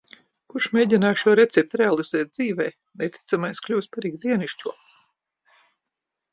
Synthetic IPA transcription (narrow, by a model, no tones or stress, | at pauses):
kuɾʃmeːɟʲinaːʃuɔɾɛt̪sɛp̚t̪ɾealˠiz̥ɛːt̪̚d̪ziːvɛj | net̪ʰi̥t̪samajsklʲuːspaɾiːɡd̪iɛniʃcʲuɔ